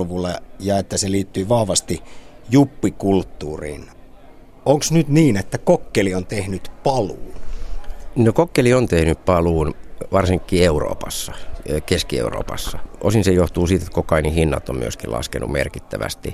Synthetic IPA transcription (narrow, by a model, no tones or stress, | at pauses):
lʋulejɑet̪ːæseliːt̪ːyːʋɑhʋɑst̪ijupːikult̪ːuːrḭːn | oŋksnyt̪niːnet̪ːækokːeliont̪ehnyt̪pɑluːn | nokokːeliont̪ehnyppɑluːnʋɑrsiŋkːiːeuro̰ːpɑsːɑkeskiḛuro̰ːpɑ̰sːɑʔosinsejoht̪uːsiˑt̪et̪kokɑinihinːɑ̰t̪ːo̰mmy̰øskilɑ̰skenṵmḛrkit̪ːæʋæ̰st̪ḭ